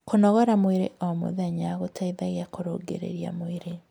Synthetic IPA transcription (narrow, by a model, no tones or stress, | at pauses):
konɔɣɔɾamweɾḛʔomo̰ðɛɲaɣotʰaiðaɣeakoɾoɡḛɾḛɾja̰moeɾe